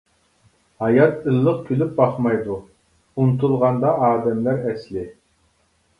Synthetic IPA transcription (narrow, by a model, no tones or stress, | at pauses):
hɑjɑt̪ɨlˠːəq̚kʲʰylyp̚bɑχmɑjd̪u | unt̪ʰulˠʁɑnd̪ɑʔɑːd̪ɛmlæɾɛslɪ